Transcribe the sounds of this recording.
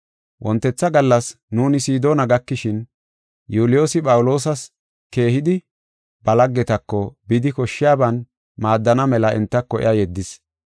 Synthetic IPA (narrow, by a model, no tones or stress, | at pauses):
wʔɔnt̪ːɛt͡sːɐɡɐlːɐs | nuːnɪsiːd̪oːnɐɡɐkːɪʃɪn | juːlɪjo̞ːsɪpʼɐwʊlo̞ːs̬ɐs | ke̞ːhɪd̪ɪ | bɐlɐɡːɛt̪ɐkːɔbɪd̪ɪkɔʃːɪjaːbɐn | maːd̪ːɐnɐmɛlɐʔɛ̰nt̪ːɐkːɔʔɪ̰ɐjɛd̪ːɪs